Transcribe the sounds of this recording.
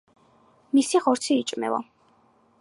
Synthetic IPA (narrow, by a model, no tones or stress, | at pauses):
misiʁɔɾt̪sʰiːt͡ʃʼmɛ̰vɔ̰